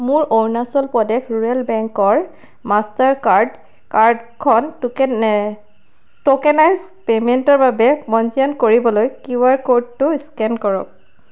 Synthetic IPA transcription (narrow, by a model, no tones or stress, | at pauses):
mʊɹownasɔlpɔdɛkʰɹuɹɛlbɛŋkɔɹ | mastaɹkaɹd | kaɹdkʰɔn | tokɛnajz | pementɔɹbabɛmɔnziɔnkoɹibɔlojkuwaɹkod̚tʊiskɛnkɔɹɔ̰k̚